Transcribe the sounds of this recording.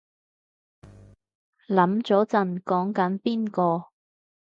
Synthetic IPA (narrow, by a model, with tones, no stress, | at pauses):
lɐ˨˥mt͡sɔː˨˥t͡sɐ˨˩nkɔː˨˥ŋkɐ˨˥npiː˥nkɔː˧